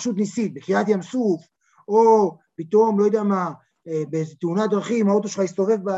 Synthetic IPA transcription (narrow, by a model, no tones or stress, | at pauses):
ʃut̪̬nisit̪̚bekiʁat̪jamsuf | o | pit̪o̞mlo̞jod̪eama | ebezet̪eunad̪ʁaχimhao̞t̪oʃlχaist̪o̞ve̞vba